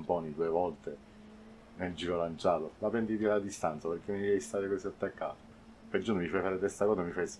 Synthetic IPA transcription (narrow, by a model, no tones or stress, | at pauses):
mpɔːnid̪uevɔlt̪e | neld͡ʒiːɾolant͡ʃaːt̪omapːɾɛnd̪it̪ilad̪ist̪ant̪saperɾk̟ːemiɛjst̪aːɾekɔsiat̪ːakːaːt̪o̥ | ped͡ʒuːnomifajfaːɾet̪est̪akɔːsamifajs